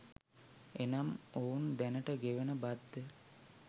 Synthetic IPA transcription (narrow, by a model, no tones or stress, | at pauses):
enamoːnd̪ænəʈəɡeʋenəbad̪ːə